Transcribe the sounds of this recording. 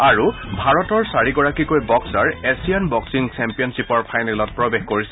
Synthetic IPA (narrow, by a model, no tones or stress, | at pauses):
aɹubʱaɹɔtɔɹsaɹiɡɔɹakikojbɔksaɹesijanbɔksiŋsɛmpijɔnsipɔɹpʰajnɛlɔt̚pɹɔbexkoɹisɛ